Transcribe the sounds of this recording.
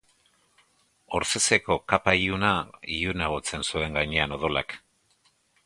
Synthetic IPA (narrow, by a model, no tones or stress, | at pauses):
o̞ɾse̞se̞ko̞kapaiunaiunaɣot͡se̞nsue̞ŋɡajɲeano̞ð̞o̞lak